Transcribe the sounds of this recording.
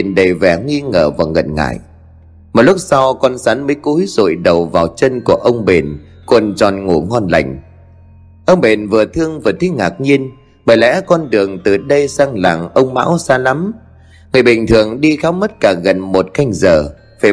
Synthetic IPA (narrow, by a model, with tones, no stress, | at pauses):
nɗə˨˩vɛ˨˩ŋi˧ŋəː˧˩vaː˨˩wɣə̰˨˩nŋa̰ː˧˨j | m˨˩t̚lʊ˦˥k͡p̚sa˧wkɔ˧nsaː˨˦nməː˨˦jku˨˦jz̥o̰˧˨jɗə˨˩wvaː˨˩wt͡ɕə˧nku˧˩əʔə˧wŋ͡mɓe˨˩n | ku˨˩ənt͡ɕɔ˨˩nŋu˧˩ŋɔ˧nla̰˧˩jŋ̟ | ʔə˧wŋ͡mɓe˨˩nvɨ˨˩ət̪ʰɨ˧əŋvɨː˨˩ət̪ʰi˨˦ŋaː˨˩k̚ɲi˧ən | ɓəː˧˩jlɛ̰˧˥kɔ˧nɗɨ˨˩əŋt̪ɨ˨˩ɗə˧jsaː˧ŋla̰ː˨˩ŋʔə˧wŋ͡mma̰ː˧˥wsaː˧la˨˦m | ŋɨ˨˩əjɓï˨˩ŋ̟t̪ʰɨ˨˩əŋɗi˧xaː˨˦wmə˦˥t̚kaː˧˩ɣə˨˩nmo˨˩t̚ka˧jŋ̟zəː˨˩ | faː˧˩